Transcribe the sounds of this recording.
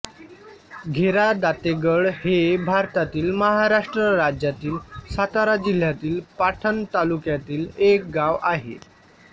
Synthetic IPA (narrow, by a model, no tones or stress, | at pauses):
ɡʱeɾad̪at̪eɡəɭhebʱaɾt̪at̪iːlməɦaɾaʂʈɾəɾad͡ʑjat̪iːlsat̪aɾad͡ʑil̤ːjat̪iːlpaʈʰənt̪alukjat̪iːlek̚ɡaʋaɦḛ